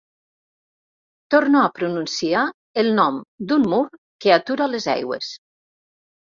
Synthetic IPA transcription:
t̪oɾnoapɾununsia | elˠnɔmd̪umːuɾ | keat̪uɾalezɛ̰jɣwḛs

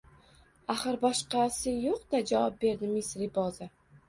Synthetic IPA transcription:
aχɨɾbɒʃqɑsɪjoqd̪̥ad͡ʒavɒp̚be̞ɾd̪ɪmɪsɾɪbɒzɪ

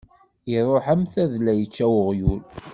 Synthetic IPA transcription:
iɾˤoħəmθæðlæjət͡ʃːæwəʁjul

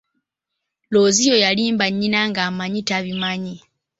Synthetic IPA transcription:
loːzijojaliːmbaɲːinaŋɡamaɲitaβimaɲi

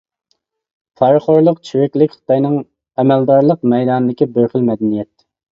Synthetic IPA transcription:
fʰɑɾχoɾlˠəqt͡ʃʰywɛkʲlɪkʲχə̥t̪ɑjnɨŋ | ɛmɛld̪ɑɾlˠəq̚mɛjd̪ɑnd̪ɪkʲibøχɪlmɛd̪ɛnijɛt̪̚

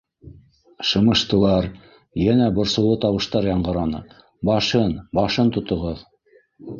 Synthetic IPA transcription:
ʃɤ̆mɤ̆ʃt̪ɤ̆lˠɑɾ | jænæbŏɾsɤ̆w̪ˠɤt̪ɑwɤ̆ʃt̪ɑɾjɑɴɢɤ̆ɾɑnɤ̰ | bɑʃɤnbɑʃɤnt̪ŏt̪ŏʁɤð

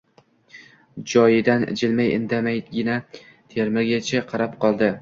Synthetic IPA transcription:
d͡ʒɒjɪd̪an̰d͡ʒɪlmajɪ̰nd̪amajɡʲɪna | t̪ʰeɾmɪɾɡʲat͡ʃʰaqʰɑɾap̚qʰɒlˠd̪ɪ

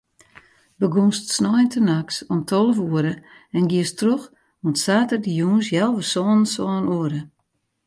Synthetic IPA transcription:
bəɡunstsnɔjəntʰənaksɔmtʰɔlˠəvuəɾə | ɛnɡiəstrox | mutsaːtərdəjuːnsjɛlˠʋəsɔːnənsɔːnuəɾə

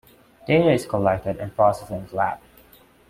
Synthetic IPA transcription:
d̥eɾɪz̥kʰəlɛk̚tədɨ̃npʰɹ̥ɔsɛsɪ̃ŋlæp

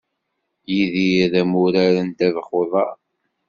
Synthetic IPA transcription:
jiðiðæmuɾaɾənt̪æðχoðˤɑɾ

